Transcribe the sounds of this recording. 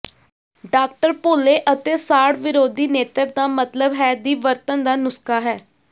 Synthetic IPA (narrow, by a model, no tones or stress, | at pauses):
ɖaːk̚ʈəɾpoːleːʔət̪eːsaːɽʋɪɾoːd̪iːneːt̪əɾd̪aːmət̪ləbɦɛːd̪iːʋəɾt̪ənd̪aːnʊskaːɦɛː